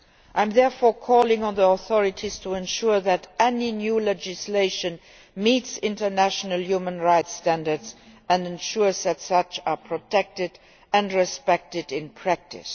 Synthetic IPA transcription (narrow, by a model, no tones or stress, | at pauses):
ʔãɪ̃mðɛɹfɔːɹkʰɔːlɪ̃ŋə̃nðiɔθɔɹɪtʰiz̥tʰuɛ̃nʃuɹðætɛninjuːlɛd͡ʒɪsleɪʃə̃n | mitsɪ̃ntə˞næʃənəlˠjumə̃nɹaɪtstæ̃ndə˞dzæ̃ndɛ̃nʃuɹzðætsʌt͡ʃapʰɹ̥ɔtʰɛk̚tɪd | æ̃ndɹɛspɛk̚tɪdɪ̃npʰɹ̥æk̚tɪ̰s